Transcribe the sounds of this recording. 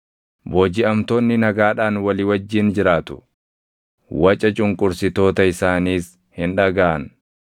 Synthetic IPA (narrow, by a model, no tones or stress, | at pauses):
bo̞ːd͡ʒɪɐmt̪oːnːɪnɐɡaːᶑaːnwɐlɪwɐd͡ʒːiːnd͡ʒɪɾaːt̪ʊ̥ | wɐt͡ʃʼɐt͡ʃʼʊŋkʼʊɾsɪt̪o̞ːt̪ɐɪsaːniːs | hɪnᶑɐɡaːʔɐn